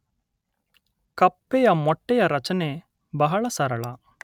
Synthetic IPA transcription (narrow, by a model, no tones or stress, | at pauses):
kɐpːejɐmɔʈːɛjɐɾɐt͡ʃɐneː | bɐɦɐɭɐsɐɾɐɭɐ